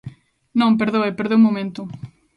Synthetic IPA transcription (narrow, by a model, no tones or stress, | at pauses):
nɐ̃wŋp̬eɾðoepeɾðewmomẽnt̪ʊ